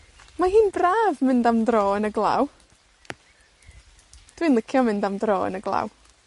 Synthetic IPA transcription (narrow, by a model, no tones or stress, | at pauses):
maɦiːnbraːvmɪndamdrɔːənəɡlˠa̰ːw | d̥wiːnlɪkʰjɔmɪndamdrɔːə̰nəɡlˠa̰ːw